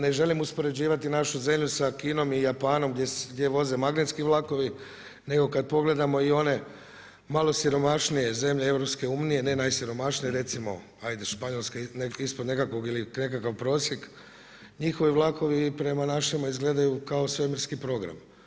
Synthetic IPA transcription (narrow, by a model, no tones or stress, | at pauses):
ne̞ʒe̞limuspo̞ɾe̞d͡ʑiːʋat̪inaʃuze̞mʎusakiːno̞mijapaːno̞mɡd̪jeɡd̪ʲje̞ʋo̞ze̞maɡnet̪skiʋlˠako̞ʋi | ne̞ɡo̞kad̪̚po̞ɡle̞d̪amo̞io̞ne̞ | malˠo̞siɾo̞maʃnije̞ze̞mʎeeʋɾo̞pske̞umnijene̞najsiɾo̞maʃnijeɾe̞t̪simo̞̰ | hajd̪eʃpaɲo̞lˠskeneispo̞d̪ne̞kakʋoɡiline̞kakaʋpɾo̞ːsjek | ɲixo̞ʋiʋlˠako̞ʋipɾe̞manaʃemaizɡle̞d̪ajukao̞sʋemiɾskipɾo̞ɡɾa̰m